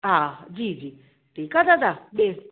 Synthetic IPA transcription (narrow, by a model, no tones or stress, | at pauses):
ad͡zid͡zi | tekad͡zad͡zaɓe